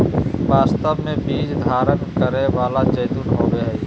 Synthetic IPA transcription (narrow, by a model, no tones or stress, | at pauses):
ʋaːst̪əbmẽbiːd͡ʒd̪ʱaːɾənkəɾeʋaːlat͡ʃəːd̪uːnɦoːʋeɦɛː